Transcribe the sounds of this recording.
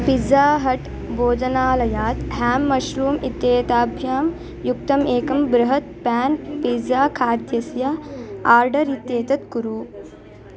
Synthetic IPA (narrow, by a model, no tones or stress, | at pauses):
pid͡zaːɦɐʈ | boːd͡ʒɐnaːlɐjaːt̪ɦaːmːɐʃɾuːmit̪eːt̪aːbʱjaːm | jukt̪ɐmeːkɐmbɾɐɦɐt̪̚pæːnpid͡zaːkʰaːɾd̪jɐsjɐaːɾɖɐɾit̪eːt̪ɐt̪kuɾuː